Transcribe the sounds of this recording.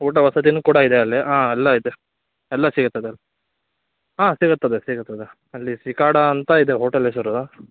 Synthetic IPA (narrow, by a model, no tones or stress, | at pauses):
ɦuːʈ̬ɐʋɐsɐt̪̬inukuːɽɐid̪eɐlːiʔãːɛlːɐid̪e | ɛlːɐsiːɡɐt̪ːɐd̪eɐlːi | ɦãːsiɡɐt̪ːɐd̪esiɡɐt̪ːɐd̪e | ɐlːisikaːɽɐːnt̪ɐid̪eɦoːʈɐles̬ɐɾu